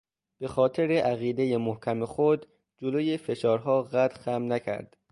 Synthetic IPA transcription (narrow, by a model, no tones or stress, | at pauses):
b̥e̞xɒːt̪ʰe̞ɾeʔæɣiːd̪ejemohcʰæmexod̪ | d͡ʒoloːjefe̞ʃɒːɾɦɒːɣæt̪ʰxæmnæcʰæ̰ɾd̪̥